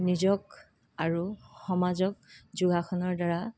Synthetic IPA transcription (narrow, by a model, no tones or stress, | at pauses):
nizɔk | aɹuxɔmazɔk̚zuɡaxʰɔnɔɹdaɹa